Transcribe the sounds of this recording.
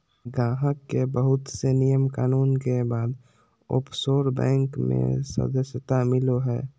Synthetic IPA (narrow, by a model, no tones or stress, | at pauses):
ɡãːɦəkːebəɦʊt̪senijəmkaːnuːnkebaːd̪ | o̰ːpsoːɾbɛ̰̃ːŋkmḛ̃sə̰d̪əsjət̪amɪloɦɛː